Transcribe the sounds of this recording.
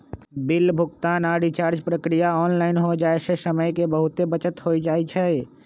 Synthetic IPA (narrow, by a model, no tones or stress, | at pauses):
bɪlbʱʊɡt̪aːnaɾit͡ʃaːɾd͡ʒpɾəkɾijaɔːnlaːɪnɦod͡ʒaːesesəməjkebəɦut̪ebət͡ʃət̪ɦoid͡ʒaːɛt͡ʃʰɛ